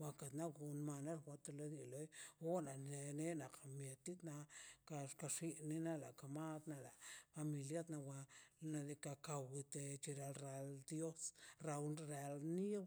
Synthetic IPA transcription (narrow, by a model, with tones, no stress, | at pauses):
wa˧ka˨t̪na˦ɡu˧nma˧na˦lxʷa˧t̪e˧la˦d̪i˨lo˦jo˦na˨˧ne˦na˨qʰa˨mje˨t̪i˦t̪na˧ka˧ka˧ʂi˧ni˧na˦la˨ka˨ma˦d̪na˧la˨fa˧mi˧lja˦t̪na˧wa˧na˧˨d̪i˧ka˧ka˧wi˧t̪e˧t͡ʃi˧ɾa˧lɾa˨ld̪jo˦sɾa˧wɾa˧lni˦